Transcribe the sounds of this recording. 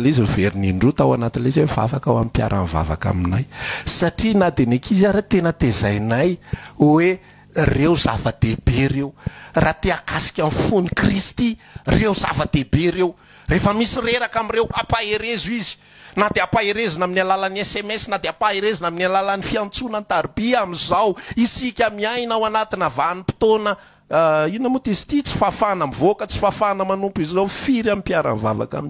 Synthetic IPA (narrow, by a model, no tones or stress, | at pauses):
leiziveɾiniɳɖ͡ʐut̪awanat̪ilezeva̰vakawamipja̰ɾʔa̰nva̰va̰ka̰minajsaʈ͡ʂinad̪enekizaɾat̪enət̪ezajnajwe | rewza̰vəd̪̥eb̥erewrat̪eakasi̥kʲamfunikrist̪i | rewza̰vəd̪ebeɾew | refəmisireɾakamirewapaeɾezizi̥ | nad̪eapaeɾezanaminalalaniesemɛsnad̪eapaeɾezanaminalalanifiant͡sunant̪aɾibiamizawisikʲamiajnawanat̪inavanipi̥t̪onə | inəmut̪izi̥t̪it͡si̥fafanamivokət͡si̥fafanəmanumpizzawfiɾamimpiaɾa̰nva̰va̰ka̰min